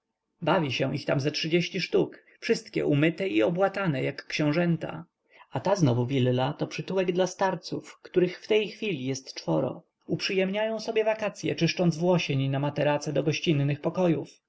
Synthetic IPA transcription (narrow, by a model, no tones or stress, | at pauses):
bavʲiɕɛ̃ʔixt̪amzɛtʂɘd͡ʑeɕt͡ɕiʂt̪uk | fʂɘst̪kʲɛ̰ʔumɘt̪ɛiɔbwat̪anɛjakːɕɛ̃w̃ʐɛnt̪a̰ | at̪aznɔvuvʲilːat̪ɔpʂɨt̪uwɛɡd̪last̪aɾt̪sufkt̪uɾɘxft̪ɛjxfʲilʲijɛst̪t͡ʂfɔɾɔ̰ | upʂɘjɛmɲajɔ̃w̃sɔbjɛvakat̪sʲjɛ̰t͡ʂɘʂt͡ʂɔnd̪zvwɔɕeɲnamat̪ɛɾat̪sɛd̪ɔɡɔɕt͡ɕinːɘxpɔkɔjuf